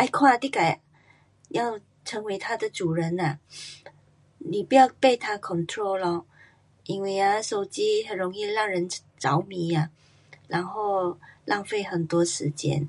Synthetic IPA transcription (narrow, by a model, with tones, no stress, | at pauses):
ʔa˥ɪkʰwa˥˧t̪i˥˩ka˨˩ɪ | jɑ˥˩ʊ | ʈ͡ʂʰə˧˥ŋwe˧˥ɪt̪ʰa˥d̪ə˨ʈ͡ʂu˨˩ɻə˧˥na˨˩ | ni˨˩pu˧˥jɑ˥˧ʊpe˥˧ɪt̪ʰa˥kʰɔ˨˩nt̪ʰɹo˥ʊlɔ˧˩ | ʔi˥nwe˥˩ɪa˨ʂo˨˩ʊt͡ɕi˥ɦə˨˩nɻo˧˥ŋi˥˧ɻɑ˥˩ŋɻə˧˦n | ʈ͡ʂɑ˧˦ʊmi˧˦a˨ | ɻa˧˥nxo˥˩ʊlʔɑ˥˧ŋfe˥˩ɪxə˨˩nt̪wɔ˥ʂɻ̩˧˥t͡ɕjɛ̰˥n